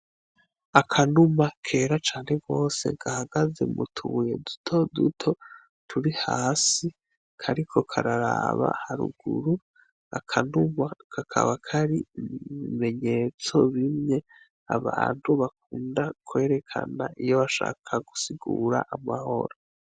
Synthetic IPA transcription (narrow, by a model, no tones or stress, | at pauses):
akʰanumakʰe̞ːɾat͡ʃaːnhe̞ɡo̞ːse̞̰ɡahaɡaze̞mutʰuːje̞̰dutʰodutʰo̞ | tʰuɾihaːsi | kʰaɾikʰo̞kʰaɾaɾaβa̰haɾṵɡ̥uɾu | a̰kʰanumakʰakʰa̰βakʰaɾiβime̞ɲe̞t͡so̞βimɲe̞ | aβaːn̥huβak̚uːndakʰwe̞ːɾe̞kʰa̰na̰ʔijo̞βaʃa̰ːkʰaɡusiɡuːɾaʔamaho̞̰ɾo